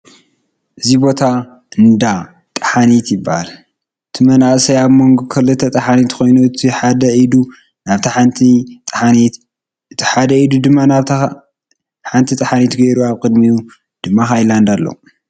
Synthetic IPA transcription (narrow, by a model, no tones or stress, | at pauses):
ʔɨzibo̞t̪ʰa | ɨnd̪a | t̪ʼɐ̥ħanit̪jɪbːahal | ɨt̪ʰimɐnaʔsɐjaβmo̞ŋɡokʰɐlɨt̪ʰɐt̪ʼɐħanit̪kʰo̞jnuɨt̪ʰiħad̪ɐid̪u | naβt̪ʰɐħant̪ʰit̪ʼait̪ | ɨt̪ʰiħad̪ɐid̪ud̪ɨmːanaβt̪ | ħant̪ʰit̪ʼɐħanit̪ɡɐjɾuaβkʼɨd̪miu | d̪̥ɨmːaxajland̪alːɐ̰u